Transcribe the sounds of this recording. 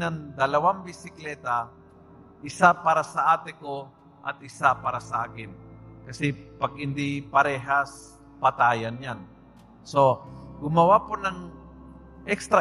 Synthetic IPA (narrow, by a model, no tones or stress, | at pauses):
nɐŋd̪ɐlɐwaŋbɪsɪklɛːt̪a | ʔɪsapaːɾɐsɐʔaːt̪ɛko | ʔɐ̰t̪̚ʔɪsapaːɾɐsɐʔaːkɪnkɐsɛpɐɡ̚ɪnd̪ipɐɾɛːɦas | pɐt̪aːjanjan | soɡʊmɐwaponɐŋ | ʔɛkst̪ɾɐ